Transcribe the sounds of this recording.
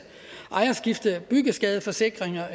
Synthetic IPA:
ʔɑ̈ɪɐsɡ̥ifd̥əðˠb̥yɡ̥əsɡ̥ɛːð̞ˠəfɒ̽se̝ɡ̥ʁeŋɐ

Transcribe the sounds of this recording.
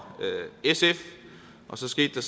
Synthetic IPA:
øesef | ʔɒ̽sɒ̽sɡ̥e̝̰ːd̥ːɑ̈s

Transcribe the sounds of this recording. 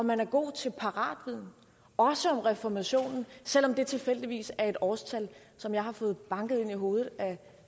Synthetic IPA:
ɒ̽mænæɐɡ̥o̝̰ːt͡sʰe̝lpʰɑ̈ʁɑ̰̈ːd̥ʋið̰ˠn̩ | ɒ̽səɒ̽mʁɛfɒmæɕo̝̰ːnn̩sel̰ɒ̽md̥e̝t͡sʰe̝fel̰d̥iʋḭːsæɐe̝ɾ̥ɒːst͡sʰæl | sɒ̽mjɑ̈ɪhɑ̈fɔ̽ːð̞̩ˠb̥ɑ̈ŋɡ̥ð̞̩ˠe̝niɦo̝ːð̩ˠæ

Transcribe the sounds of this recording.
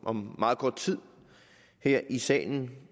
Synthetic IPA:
ʔɒ̽mmɑ̈ːð̞̩ˠkʰɒd̥̚t͡sʰið̰ˠ | heɐ̰ʔisɛ̰ːln̩

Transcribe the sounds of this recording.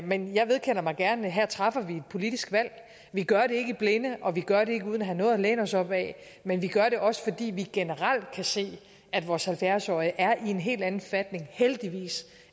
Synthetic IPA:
menjɑ̈ɪʋe̝ð̞ˠkʰen̰ɐmɑ̈ɪɡ̥æɐnəɦæɐt͡sʰʁɑ̈fɐʋie̝d̥̚pʰo̝lid̥isɡ̥ʋæl̰ | ʋiɡ̥ɶɐɾe̝e̝ɡ̥əib̥le̝nəʔɒ̽ʋiɡ̥ɶɐɾe̝e̝ɡ̥əuːð̞ˠnæɦænɔ̽ːðˠleːnɒ̽sɒ̽b̥ɛ̰ | menʋiɡ̥ɶɐɾe̝ʔɒ̽sə̥fɒ̽d̥ḭːʋiɡ̥enəʁɑl̰d̥kʰæse̝̰ː | æd̥ʋɒːshælfjæɐsɒɪəʔæɐʔie̝nɦe̝̰ːld̥ænn̩fæd̥ne̝ŋheld̥iʋḭːs

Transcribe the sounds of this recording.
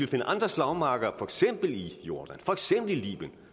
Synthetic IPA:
elfe̝nəʔɑ̈nd̥ʁɐslɑ̈ʊmɑ̈ːɡ̥ɐfɒ̽eɡ̥sem̰b̥l̩ijo̝ɐd̥ænfɒ̽eɡ̥sem̰b̥l̩ilḭːb̥jən

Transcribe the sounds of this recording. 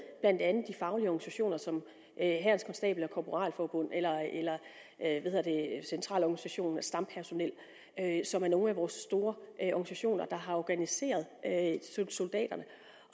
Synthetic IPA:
b̥læn̰d̥ænð̩ˠd̥ifɑ̈ʊliɒɡ̥nisæɕo̝̰ːnɐsɒ̽m | ʔøɦæɐnskʰɒ̽nsd̥ɛ̰ːb̥l̩æɐkʰɒːpʰo̝ʁɑ̰̈ːlfɒːb̥ɔn̰elɐelɐ | ʋæhe̝ðˠɐd̥esent͡sʰʁɑ̰̈ːlɒɡ̥nisæɕo̝̰ːnæsd̥ɑ̈mpʰæɐso̝nel̰ | øsɒ̽mæɐno̝ːn̩æʋɒːsːd̥o̝ːɐʔʔɒɡ̥nisæɕo̝̰ːnɐd̥ɑ̈ɦɑ̈ɒːɡ̥ænise̝̰ːɐð̞ˠøso̝ld̥ɛ̰ːd̥ɐnə

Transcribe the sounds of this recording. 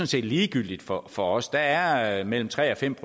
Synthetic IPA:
ɔ̽nse̝̰ːd̥liːɡ̥yl̰d̥id̥fɒfɒ̽ɒ̽sd̥ɑ̈æɐmel̰m̩t͡sʰʁɛ̰ːɒ̽fem̰pʰo

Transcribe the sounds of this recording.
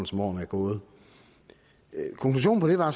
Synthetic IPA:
n̩smɒ̰ːnæɐɡ̥ɔ̽ːð̩ˠ | kʰɒ̽ŋkʰluɕ̬o̝̰ːn̩pʰɒ̽d̥e̝ʋɑ̈

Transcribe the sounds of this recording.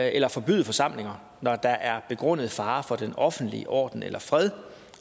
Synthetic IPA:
elɐfɒ̽b̥y̰ð̩ˠəfɒ̽sɑ̈m̰le̝ŋɐ | nɒd̥ɑ̈ʔæɐb̥e̝ɡ̥ʁɔn̰əð̞̩ˠfɑ̈ːfɒ̽d̥enɒ̽fn̩d̥lḭəʔɒ̰ːd̥n̩ḛlʔɐfʁɛð̞ˠ

